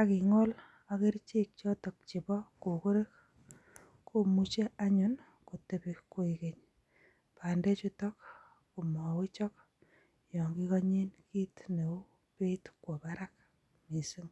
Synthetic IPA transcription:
a˨ki˨ŋɔ˦l | ake˦ɾt͡ʃe˦k̚t͡ʃɔ˦tɔ˨k̚t͡ʃi˨bɔ˦ku˨ku˦ɾe˦k̚ | ku˦mu˦t͡ʃe˦aɲun | ko˨te˨piko˦ikeɲ | pa˨nde˦t͡ʃutɔk̚ | ku˨mɔ˨wi˦t͡ʃɔ˦k̚ | jɔ˨ŋɡi˦kɔɲe˦nki˦tne˨u˦ | pe˦tkwo˨paɾa˦k̚ | mi˨si˦ŋ

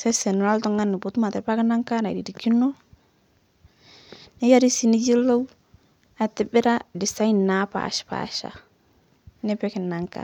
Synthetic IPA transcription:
sɛ˦sɛ˨n˨ɾa˦ltɔ˦ŋa˦nːɪ˨bu˨˦tu˦ma˨tɪ˨ɾpa˦kɪ˦na˦ŋka˦na̰˨dḭ˨di˨ki˦no˦ | nɪ˦ja˦ɾi˦si˦ni˦d͡ʒi˦lo˦w | a˨tɪ˦bɪ˦ɾa˦dɪ˨sa˦i˦na˦pa̰˨ʃpa̰˨ʃa̰˨ | nɪ˦pɛ˦kɪ˨na˨ŋka̰˨

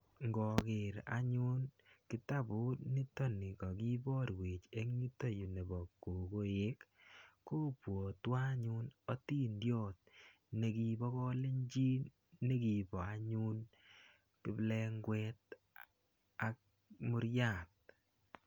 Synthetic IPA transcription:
ŋɡɔ˨kɪ˨ɾa̰˨ɲʊ˦nkɪ˦ta˦bʊ˦tnɪ˦tɔ˦nɪ˨kɔ˨ki˦bɔ˦ɾwe˨t͡ʃe˦ɲi˦to˦ju˨ne˨bɔ˨ko˨ɡo˨ɪ˦kː | o˦pwo˨twa˦ɲʊ˦nɔ˦ti˦ndjɔ˦˨t̚ | ne˨ki˦bɔ˦kɔ˦le˦ɲd͡ʒi˦ | ne˦ki˨bɔ˨a˨ɲʊ˦n | kɪ˦blɛ˦ŋɡwɛ˦t̚ | a˨k̚ | mʊ˦ɾja˨t̚

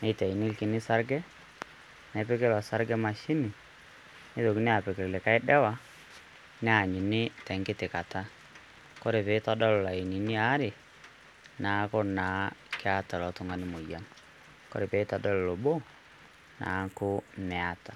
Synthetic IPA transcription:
nɛ˦itɛ˨i˨nɪ˦lkɪ˨nɪ˦sa˦ɾɡɛ˦ | nɛ˨˦pe˦kɪ˦lɔ˨sa˦ɾɡɛ˦ma˨ʃi˦nɪ˨ | nɪ˦ðo˨ki˦nɪ˦a˨pɪ˨kɪ˨lle˨ka˦ɪ˦dɛ˦wa˦ | nɪ˦a˨ɲɪ˨nɪ˦tɛ˨ŋɡɪ˦tɪ˨ka˨ta˦ | kɔ˦ɾe˨pe˨˦tɔ˦dɔ˦lla˨i˨ni˨nɪ˦a˦ɾɪ˨ | na˨˦kʊ˦na˨˦kɪ˦a˦ta˨lɔ˨tʊ˦ŋa˦nɪ˦mo˨ja˦n | kɔ̰˦ɾe˨pe˨˦tɔ˨dɔ˦llo˨bo˦ | na̰˨˦kʊ˦nɛ˨a˨˦tḁ˨

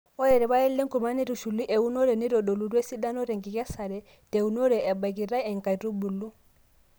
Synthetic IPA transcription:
ɔ˦jɛ˨ɾɛ˨βa˦ɛ˦lːɛ˦ŋku˨ma˦ni˦ɾu˨ʃu˨lːi˦ʔɛ˨u˦nɔ˦ɾɛ˨ni˦ɾɔ˨ɗo˨lu˨ɾu˦ɛ˦si˦da˦nɔ˦ɾɛ˨ŋɡi˨kɛ˦sa˨ɾɛ˦ | te˨u˨nɔ˦ɾɛ˨ʔɛ˨ba˨ki˨ɾa˦ɛ˨ŋka˨ɾu˦bu˨lːu˦

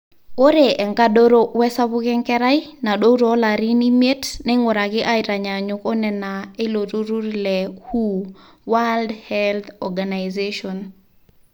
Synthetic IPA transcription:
o˦ɾe˨ʔɛ˨ŋka˦ɗo˦ɾo˦wɛ˦sa˦βʊ˦kɛ˦ŋkɛ˦ɾa˦i˦na˨ɗo˦ɾɔ˨˦la˨ɾi˦ni˦me˦tnɛ˦ŋɔ˨ɾa˨kɪ˦ʔa˦ɪ˨ɾa˨ɲa˨ɲʊ˨kɔ˦nɛ˨na˨e˦lo˨ɾu˦ɾu˦ɾlɛ˨hu˦ | wa˦ldhɛlt̪ɔɡa˨na˨jzeʃɔ˨n

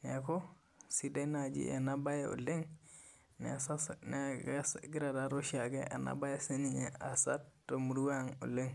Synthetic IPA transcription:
ne˨ko˦ | si˦de˦na˨d͡ʒḭ˦ʔa̰˨na˦ba˦jeṵ˨le˦ŋ | nḛ˨sa˦sne˨ɡsɡi˦ɾa˨da˦ɾo˦ʃia˨ɡe˦ʔa̰˨na̰˦ba˦je˦se˦ni˦ɲe˨a˨sa˦tɾo˨mu˨ɾu˦wa˦ŋu˨le˦ŋ

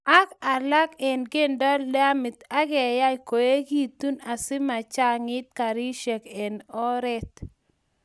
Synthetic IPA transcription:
a˦ka˨la˦kɛ˨nɡe˦ndɔ˦la˦mɪ˨t̪a˦ɡɛ˨ja˦ko˨e˦ɡi˦˨t̪u˦na˨sɪ˦ma˨t͡ʃa˦ŋɪ˦t̪̚ka˨ɾi˦ʃɛ˨ke˨nɔ˦ɾɛ˦t̪

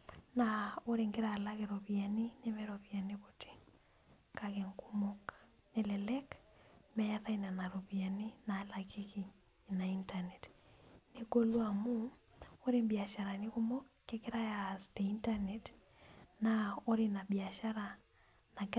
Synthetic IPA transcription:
nao˦ɾɪŋɡɪ˦ɾala˦keɾo˨pia˨ni˦ne˦mɛɾo˨pia˨niko˨tʰi̥˨ | kakeŋku˦mok | ne˨lɛ˨lɛ˦kmɛɾa˦ina˨na˨ɾo˨pja˨ni˦na˨la˨ki˦kiː˨ | na˨intanetniko˦lwamuo˦ɾi˦mbja˨ʃa˨ɾa˨niku˦mo˦kːe˦kɪɾa˦ja˨ste˨inta˦ne˨t | nao˦ɾina˨bia˨ʃa˦ɾa | na˦

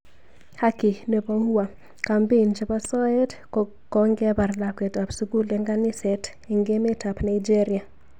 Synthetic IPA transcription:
ha˦ki˨ne˨bo˦ŋu˦a˨ | ka˨mbe˦˨nt͡ʃe˦pa˦sɔ˦ɛ˦t | kɔ˦ŋɡɛ˦ba˨rla˨kɛ˨ta˨psu˦ɡu˦lɛ˨ŋɡa˦nɪ˦sɛ˨t | e˨ŋɡe˦me˦ta˨pna˨id͡ʒe˦ɾi˨a˨

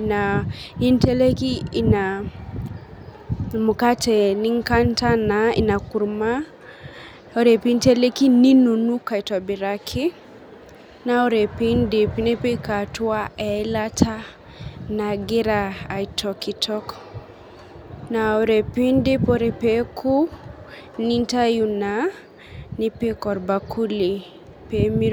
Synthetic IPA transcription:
na˨i˦ntɛ˦le˦kiː˦˨na˨ | mu˨ka˦tɛ˨ni˦ŋka˦nta˦na˨ḭ˨na˨ku˨ɾma˦ | o˨ɾɛ˨pi˦n˦tɛ˦le˦ki˦ni˦nu˨nu˦ka˨i˨tɔ˨bi˨ɾakʰi˦ | na˨o˦ɾɛ˨pi˦ndi˨pi˦ni˦pi˦ka˨twa˦ɛ˨˦latʰa˦ | naɡi˦ɾaː˨itʰɔki˨tɔ˦k | na˨o˨ɾe˨pi˦ndi˦po˦ɾe˨pekʰu˦ | ni˦nta˦juna | ni˦pi˦kɔ˨ɾba˨kʰu˦li˨ | pemi˦

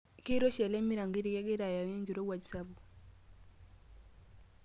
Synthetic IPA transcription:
ki˦ɾɔ˦ʃɛ˨lɛ˦mi˦ɾa˨ŋɡi˦ɾi˨jɛ˦ɡi˦ɾa˨ja˨jɛ˦ɲd͡ʒi˨ɾo˦wa˨d͡ʒi˨sa˦bu˨

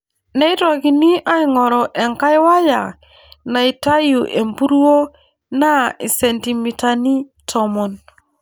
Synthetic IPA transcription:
ne˦i˦tɔ˨ki˨ni˦ʔa˦i˦ŋɔ˨ɾɔ˨ʔe˨ŋka˦jwa˦ja̰˨ | na˨i˨ta˦ju˨ʔe˨mbu˦ɾu˦o˦ | na˦i˨se˨nti˨mi˨ta˨ni˦tʰɔ˨mɔ˨n

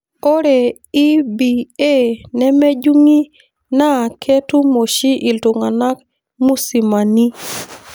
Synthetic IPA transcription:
o˦ɾe˨ | i˦bi˨e˦nɛ˦me˦d͡ʒu˦ŋi˦ | na˦˨kʰe˦tu˦mo˨ʃi˦ʔɪ˨ltʊ˨ŋa˨na˦k̚ | mu˦si˨ma˨ni˦

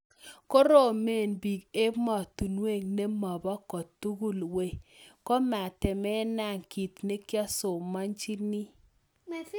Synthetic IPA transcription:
ko˦ɾo˦˨me˦˨nbi˨ɡe˦pmɔ˨tu˨nwe˦˨ŋne˦mɔ˨bɔ˦kɔ˨tːu˦ɡu˦˨lwe˦˨kɔ˦ma˨tɛ˨mɛ˦na˦˨ŋki˨tne˦kja˦sʊ˨ma˦nt͡ʃi˦ni˦

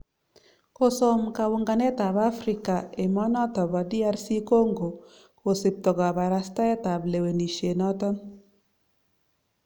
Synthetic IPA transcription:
ko˨sɔ˨mka˨wʊ˨ŋɡa˨nɛ˦ta˨ba˦fɾɪ˨ka˨e˨mɔ˦nɔ˦tɔ˨ba˨di˦a˦ɾsi˦ko˦ŋɡo˨ | ko˨si˨p̚tɔ˨ɡa˨ba˨ɾa˨sta˦ɛ˦ta˨ble˨we˨ni˨ʃe˨nɔ˦tɔ˦n

